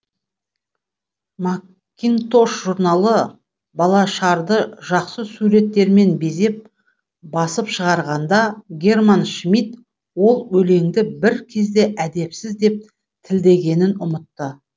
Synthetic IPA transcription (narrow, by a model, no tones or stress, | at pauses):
ma | kʲːint̪o̞ʃʒuɾnɑlˠə | bɑlˠɑʃɑɾd̪əʒɑqsəsuɾe̞t̪ːe̞ɾme̞nbe̞ze̞p̚ | bɑsəpʃəʁɑɾʁɑnd̪ɑɡʲe̞rmanʃmit̪ | wo̞lˠwɵle̞ŋd̪ɪbɪɾkʲʰe̞zd̪e̞ʔæd̪e̞psɪzd̪e̞p̚ | t̪ʰɪld̪e̞ɡʲe̞nɪnʊmət̪ːə